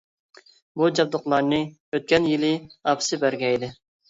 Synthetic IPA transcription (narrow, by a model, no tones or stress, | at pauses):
bud͡ʒɑb̚d̪ʊqlˠɑɾnɨ | øt̪̚kʲɛnjɪlɪɑpʰsɨbæɾɡʲɛjd̪ɪ